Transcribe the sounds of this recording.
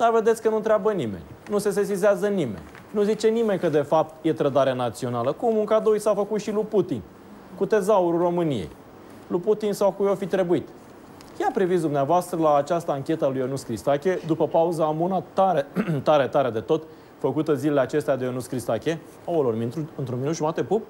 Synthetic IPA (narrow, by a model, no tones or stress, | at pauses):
d̪̥ave̞d̪et̪sʲkənunt̪ɾʲeabənimḛnʲnuse̞s̬es̬izeazənimḛnʲ | nuzit͡ʃe̞nime̞nʲkəd̪e̞fap̚t̪je̞t̪ɾəd̪aɾeanat̪sio̞naləkumuŋkad̪ujsafəkut̪ʃiluput̪in | kut̪e̞zauɾuro̞mɨnije̞̰j | luput̪insawkujofit̪ɾe̞buit̪ | jeapɾivit̪sd̪umneavoast̪ɾəlaːt͡ʃast̪əaŋkʲe̞t̪əalujonuskɾist̪akʲe̞d̪upəpauzaːmunat̪aɾet̪aɾe̞t̪aɾed̪e̞t̪o̞t̪ | fəkut̪əzile̞leat͡ʃe̞st̪ead̪eonuskɾist̪akʲe̞ | aolormiuɨnt̪ɾunminut̪ʒumat̪e̞pup̚